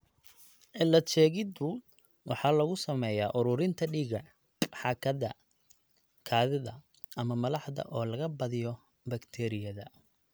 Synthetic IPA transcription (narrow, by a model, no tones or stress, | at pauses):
ʕɪlːɐt͡ʃɛːɣɪd̪ʊ | wɑħɑːlɐɣʊsɐmɛjaːʔʊɾʊɾɪnt̪ʰɐɖiːɣɐ | ħɑːkʰɐðɐ̰ | kʰaːðɪðɐ̰ | ʔɐmɐmɐlɑħðɐ̰ʔɔːlɐɣɐbɐðɪjɔ | bɐkt̪ʰɛːɾɪjɐðɐ